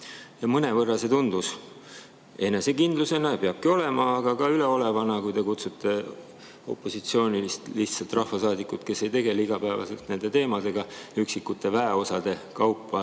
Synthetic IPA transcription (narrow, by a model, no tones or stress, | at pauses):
jɑmɤne̞vɤrːɑse̞t̪und̪us | e̞ne̞se̞kind̪̥luse̞nɑpeɑb̥̚kio̞le̞mɑːɡ̥ɑkɑyle̞o̞le̞vɑnɑkujt̪e̞kut̪sut̪ˑːe̞ | o̞̰pːˑo̞sit̪sio̞ːnilist̪liht̪sɑlt̪ˑrɑhfɑsɑːd̪ikːˑut̪ke̞se̞jt̪e̞ɡe̞liɡ̥ɑpæevɑ̰selt̪ne̞nd̪̥e̞t̪e̞ːmɑd̪e̞ɡ̥ɑyksikːˑut̪ːˑe̞væeo̞sɑd̪̥e̞kɑwpːˑɑ